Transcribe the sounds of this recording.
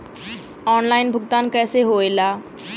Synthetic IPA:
ɔːnlaːɪnbʱʊɡt̪aːnkɛːseɦoelaː

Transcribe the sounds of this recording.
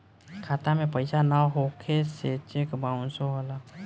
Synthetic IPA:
kʰaːt̪amẽpəɪsanaɦokʰeset͡ʃekbaːũnsoɦala

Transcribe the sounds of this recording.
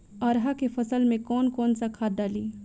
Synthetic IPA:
ɐɾɦakefʰɐsəlmẽkɔːnkɔːnsakʰaːdaːliː

